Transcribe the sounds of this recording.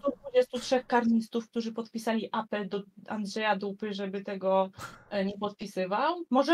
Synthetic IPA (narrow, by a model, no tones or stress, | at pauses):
d̪vud͡ʑest̪utʂɛxkaɾɲist̪ufk̚t̪uʐɘpɔt̪pʲisalʲiʔapɛld̪ɔa̰nd̪ʐɛjad̪upɘʐɛbɘt̪ɛɡɔɲɛpɔt̪̚pʲisɘvawmɔʐɛ